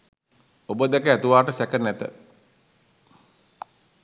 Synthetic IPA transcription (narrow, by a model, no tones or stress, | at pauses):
obəd̪ɛkəæt̪uʋaːʈəsækənɛt̪ə̰